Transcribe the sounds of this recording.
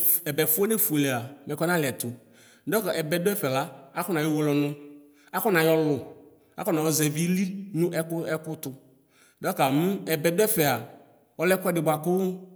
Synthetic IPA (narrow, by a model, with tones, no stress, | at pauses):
ɛ˨bɛ˨fʊ˦o˦ne˦flɛ˨a˨mɛ̃˨kɔ˦nã˦lɪ˨ɛ˨t̪ʊ˨˦ | dɔ˦ka˨ʔɛ˨bɛ˨dʊ˦ɛ˦fɛ˨la˦a˦kʊ˦nã˨jɔ˦wʊ˨lɔ˨nʊ̃˦ | a˦kɔ˦nã˨jɔ˦lʊ˨ | a̰˨˦kɔ˦na˨wɔ˨zɛ˨vi˦li˦nũ˦ʔɛ˦kʊ˦ɛ˦kʊ˦t̪ʊ˨ | dɔ˦ka˨mu˦ɛ˨bɛ˨dʊ˦ɛ˦fɛ˨a˨ | ɔ˦lɛ˦kɛ˦ɖɪ˨bʊ˨a˨kʊ˦lʊ˦